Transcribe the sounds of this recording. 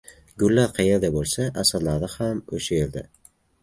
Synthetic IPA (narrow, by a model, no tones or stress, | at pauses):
ɡʊlːaɾqʰɑjeɾd̪abolˠsaʔasaɾlaɾd̪ahamo̰ʃaeɾd̪a